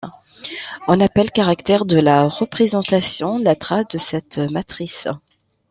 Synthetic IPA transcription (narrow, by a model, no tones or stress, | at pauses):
ɔ̃napɛlkaʁakt̪ɛʁd̪əlaʁəpχezɑ̃t̪asjɔ̃lat̪χasd̪əsɛt̪mat̪χis